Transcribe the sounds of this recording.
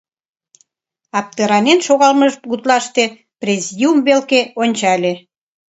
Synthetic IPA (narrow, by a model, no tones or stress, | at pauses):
ɑp̚t̪eɾɑnenʃoɣɑlməʒkut̪lɑʃt̪e | prʲezid̪ʲiumβelkeonʲt͡ɕɑlʲe